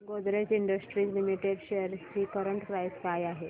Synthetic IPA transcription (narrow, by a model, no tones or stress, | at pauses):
ɡod̪ɾet͡siɳɖəsʈɾiːt͡slimiʈeɖɕejəɾt͡ɕiːkəɾəɳʈkɾajskajaɦe